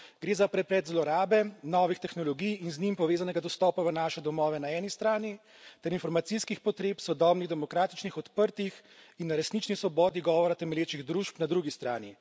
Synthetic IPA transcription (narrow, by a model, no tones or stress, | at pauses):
ɡ̥ɾeːzapɾɛpɾɛːt̪zlɔɾaːbɛnɔːʋixt̪ɛxnɔlɔɡijinznimpɔʋeːzanɛɡad̪ɔst̪ɔːpaʋənaːʃɛd̪ɔmɔːʋɛnaɛːnist̪ɾaːni | t̪ɛɾinfɔɾmat̪siskixpɔt̪ɾeːpsɔd̪ɔbniɣd̪ɛmɔkɾaːt̪it͡ʃnixɔt̪pəɾt̪ixinːaɾɛsnit͡ʃnisʋɔbɔːd̪iɡɔːʋɔɾat̪ɛmɛljeːt͡ʃiɣd̪ɾuʃpnad̪ɾuɡist̪ɾa̰ːni